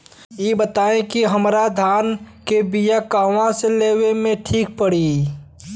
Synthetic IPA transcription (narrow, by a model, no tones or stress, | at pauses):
jebət̪aːẽkiɦəmɾad̪ʱaːnkebijakaːʋãseleːwemẽʈʰiːk̚pəɽi